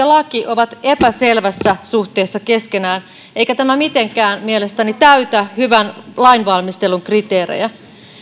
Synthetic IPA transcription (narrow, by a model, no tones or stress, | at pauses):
ɑlɑkiʔoʋɑt̪epæselʋæsːæsuht̪eːsːɑkeskenæːn | eikæt̪æmæmit̪eŋkæːnmielest̪ænit̪æyt̪æhyʋænlɑinʋɑlmist̪eluŋkrit̪eːɾḛjæ